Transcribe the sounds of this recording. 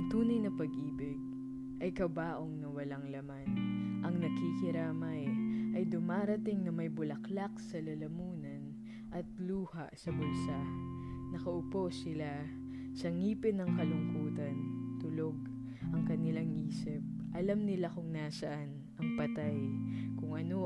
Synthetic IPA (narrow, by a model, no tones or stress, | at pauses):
ɐŋt̪uːnɐjnɐpɐɡʔiːbɪɡ̚ | ʔɐjkɐbaːʔoŋnɐwɐlaŋlɐmanʔɐŋnɐɡkikɪɾaːmɐjʔɐjd̪ʊmaːɾɐt̪ɪŋnɐmɐjbʊlɐklak̚sɐlɐlɐmuːnɐn | ʔɐt̪̚luːhasɐbʊlsa | nɐkɐʔʊpo̞sɪla | sɐŋiːpɪnɐŋkɐlʊŋkuːt̪ɐnt̪ʊlo̞ɡ̚ | ʔɐŋkɐnɪlaŋʔiːsɪp̚ | ʔɐlamnɪlakʊŋnaːsɐʔan | ʔɐŋpɐt̪ajkʊŋʔɐno